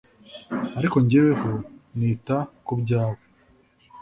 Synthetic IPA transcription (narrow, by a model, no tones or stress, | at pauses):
aɾiko̞ɲɟewehoniːtakubɟaːwo